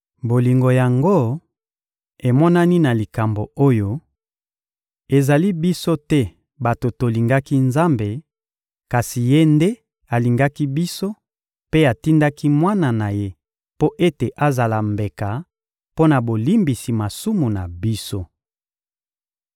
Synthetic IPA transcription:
bo˨li˨ŋɡo˨ja˨ŋɡo˦ | e˨mɔ˦na˦ni˦na˨li˨ka˨mbo˨o˦jo˦ | e˨za˨li˦bi˦so˦tɛ˦ | ba˨to˨to˨li˨ŋɡa˦ki˦nza˦mbe˨ | ka˨si˨je˦nde˦ | a˨li˨ŋɡa˦ki˦bi˦so˦ | pe˦a˨ti˦nda˦ki˦mwa˦na˨na˨je˦ | po˦ʔe˦te˨ʔa˦za˨la˨mbe˨ka˨ | po˦na˨bo˨li˦mbi˨si˨ma˨su˦mu˨na˨bi˦so˦

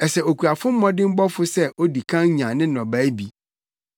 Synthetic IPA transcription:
ɛ˨sɛ˨o˨kʰu˨a˨fʊ̃˦m̩˦mɔ̃˦dɪ̃˦m̩˦bɔ˦fʊ˦sɛ˦ʔo˦di˨kʰã˦ŋ˦ɲã˨nɪ̃˦nɔ̃˨bæː˨˦bi˦

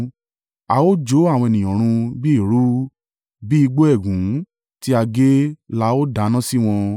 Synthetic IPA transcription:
a˧o˦d͡ʒo˨˦a˦˨w̃ɔ̃˧ɛ˨nĩ˨ɔ̃˨ɾ̃ũ˧bi˦i˦˨ɾu˦ | bi˦i˧ɡ͡bo˦ɛ˦˨ɡũ˨˦ | ti˦a˧ɡe˦la˦o˦da˨˦nã˦si˦w̃ɔ̃˧

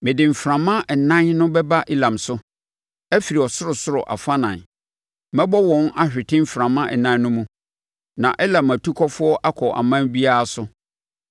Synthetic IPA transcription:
mɪ̃˨dɪ˨m̩˨fɾã˨mã˦˨nã˦nnʊ̃˦bɛ˦ba˦ʔi˦lã˨msʊ˦ | ɛ˦fi˨ɾi˨ɔ˨sʊ˦ɾʊ˨sʊ˦ɾʊ˨ʔa̰˨fa˦nã̰˨n | mɛ̃˦bɔ˦wɔ̃˨na˦ɕᶣɪ˨tʰɪ̃˦m̩˦fɾã˨mã˦ʔɛ˨nã˦n˦nʊ̃˦mũ˦ | nã˨ʔɛ˦lã˨mæ˨tʰu˦kʰɔ˦fʊ˦ɔ˦ʔa˦kʰɔ˨ʔa̰˨mã˦bi˦a˦a˦˨sʊ˦

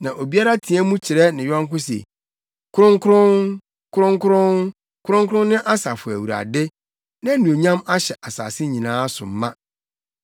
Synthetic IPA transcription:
nã˨ʔo˨bi˦a˦ɾa˦tʰĩ˨ɛ˦mũ˦t͡ɕʰɪ˨ɾɛ˦nɪ̃˨jɔ̃˦ŋ˦kʊ̃˦sḛ˨ | kʰʊ˦ɾʊ̃˦ŋ˦kʰʊ˦ɾʊ̃˦n | kʰʊ˦ɾʊ̃˦ŋ˦kʰʊ˦ɾʊ̃˦n | kʰʊ˦ɾʊ̃˦ŋkʰʊ˦ʊ̃˦n˦nɪ̃˦ʔa˦sa˨fʊ˨æ˨wu˨ɾa̰˨dɪ˦ | nã˦nũ˨o˨ɲã˦ma˦ɕɛ˨ʔa˨sa̰ː˨sɪ˦ɲĩ˨nãː˦sʊ̰˨m̩˦mã˦

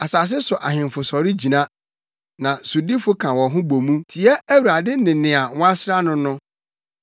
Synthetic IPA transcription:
a˨sa˨s̬ɪ˦sʊ˨ʔa˨ɦɪ̃˨m˨fʊ˨sɔ˨ɾɪ˦d͡ʑi˨nã˦ | nã˨sʊ˨di˦fʊ˦kʰã˨wɔ̃˨ɦʊ̃˦bo˨mũ˦tʰi˨ɛ˦æ˦wu˨ɾa˨dɪ˦nɪ̃˨nɪ̃˨a˨˦wa˦sɾa˦nʊ̃˦nʊ̃˦

